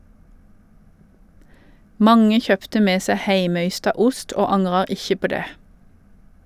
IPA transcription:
ˈmɑŋə ˈçœptə ˈmeː ˈseː ˈhæɪməˌʏstɑ ˈʊst ˈoː ˈɑŋʁɑ ˈɪçə ˈpoː ˈdeː

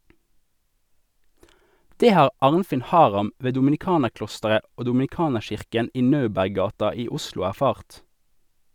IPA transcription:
ˈdeː ˈhɑːʁ ˈɑːʁnfɪn ˈhɑːʁɑm ˈʋeː dʊmn̩ɪˈkɑːnəʁˌklɔstəʁə ˈoː dʊmn̩ɪˈkɑːnəʁˌʃɪʁkən ˈiː ˈnɑʉbæʁˌɡɑːtɑ ˈiː ˈʊslʊ æʁˈfɑːʁt

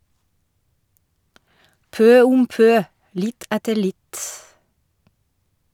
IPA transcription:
ˈpøː ˈʊm ˈpøː ˈlɪt ˈætəɾ ˈlɪt

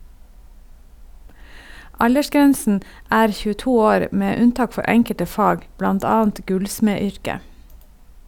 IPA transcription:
ˈɑʎəˌʃɡɛnsn̩ ˈæːɾ çʉːəˈtuː ˈoːɾ ˈmeː ˈʉnˌtɑːk ˈfɔɾ ˈɛŋkətə ˈfɑːɡ ˈblɑnt ˈɑːnt ˈɡʉlsmeːˌʏɾkə

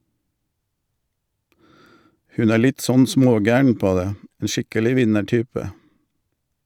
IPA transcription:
ˈhʉn ˈæː ˈlɪt ˈsɔn ˈsmoːˌɡæːəɳ ˈpoː ˈdeː ˈeː ˈʃɪkəlɪ ˈʋɪnəˌʈyːpə

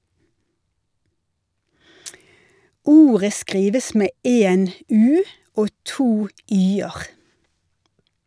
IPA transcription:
ˈuːʁə ˈskʁiːʋəs ˈmeː ˈeːn ˈʉː ˈoː ˈtuː ˈyːəʁ

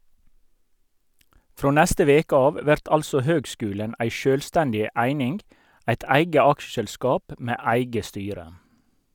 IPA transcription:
ˈfɾoː ˈnɛstə ˈʋeːkə ˈɑːʋ ˈʋæʁt ˈɑlsɔ ˈhøːɡˌskʉːlən ˈʔæɪ ˈʃøːlstɛndɪ ˈæɪnɪnɡ ˈæɪt ˈæɪɡə ˈɑkʃəʃɛlˌskɑːp ˈmeː ˈæɪɡə ˈstyːɾə

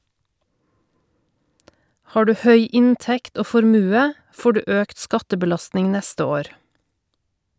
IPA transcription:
ˈhɑː ˈdʉː ˈhœʏ ˈɪnˌtɛkt ˈoː fɔɾˈmʉːə ˈfoː ˈɖʉː ˈʔøːkt ˈskɑtəbəˌlɑstnɪŋ ˈnɛstə ˈoːɾ

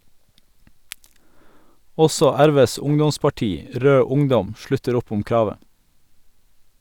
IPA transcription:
ˈɔsɔ ˈæɾˌʋeːs ˈʊŋdɔspɑˌʈiː ˈɾøː ˈʊŋˌdɔm ˈʃɭʉtəɾ ˈʊp ˈʊm ˈkɾɑːʋə

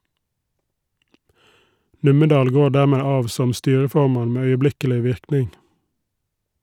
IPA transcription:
ˈnʉməˌdɑːl ˈɡoː ˈɖæˌmeː ˈɑːʋ ˈsɔm ˈstyːɹəˌfɔmɑn ˈmeː œʏəˈblɪkəlɪ ˈʋɪɾknɪŋ

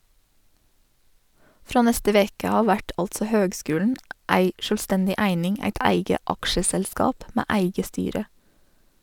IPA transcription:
ˈfɾɑː ˈnɛstə ˈʋeːkə ˈɑː ˈʋæʈ ˈɑltsə ˈhøːɡˌskʉːln ˈæɪ ˈʃœlˌstɛndɪ ˈæɪnɪŋ ˈæɪt ˈæɪɡə ˈɑkʃəsɛlˌskɑːp ˈmæː ˈæɪɡə ˈstyːɾə

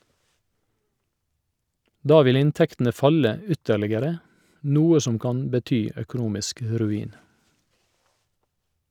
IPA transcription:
ˈdɑː ˈʋɪl ˈɪnˌtɛktn̩ə ˈfɑlə ə ˈʏtəɭɪɡəɾə ˈnuːə ˈsɔm ˈkɑn bəˈtyː œkʊˈnuːmɪsk ə ɾʉˈiːn

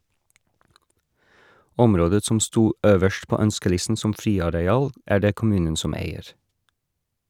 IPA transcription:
ˈɔmɾoːdə ˈsɔm ˈstuː ˈøːʋəʃt ˈpoː ˈœnskəˌlɪsn̩ ˈsɔm ˈfɾiːɑɾɛˌɑːl ˈæː ˈɖeː kʊˈmʉːnən ˈsɔm ˈæɪəɹ

